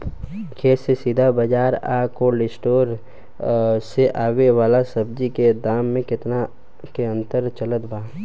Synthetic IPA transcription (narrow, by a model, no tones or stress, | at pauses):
kʰeːsesid̪ʱabəd͡ʒaːɾa̰ːkolɪsʈoːɾ | seʔaːweʋaːlasɐbd͡ʒiked̪aːmːẽkɪt̪na | keə̃nt̪əɾt͡ʃələt̪bʱaː